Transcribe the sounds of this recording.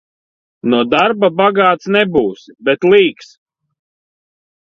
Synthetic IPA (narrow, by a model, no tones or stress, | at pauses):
nuɔd̪aɾbabaɡaːt̪snɛbuːsbɛt̪lˠiːks